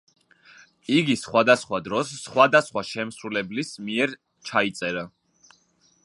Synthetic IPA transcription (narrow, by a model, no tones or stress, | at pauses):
iɡisχwad̪asχwad̪ɾɔsːχwad̪asχwaʃɛmsɾulɛblismiɛɾ | t͡ʃʰait̪sʼɛɾa